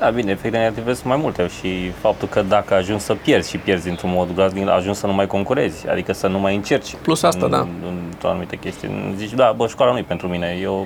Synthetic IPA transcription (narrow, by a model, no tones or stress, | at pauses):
d̪abineefekt̪eneat̪ivesmajmult̪eʃifap̚t̪ulkəd̪akəaʒunsʲsəpje̞rd̪z̥ʲʃipje̞rzʲint̪ɾunmo̞d̪ɡlazd̪ia̰ʒunsʲsənumajko̞ŋkuɾe̞zʲa̰d̪ikəsənumajɨnt͡ʃe̞rt͡ʃʲplusasa̰d̪a̰ɨnt̪ɾoa̰numit̪e̞kʲest̪ijṵnzit͡ʃd̪abəʃu̥kwalanujpe̞nt̪ɾumine̞jew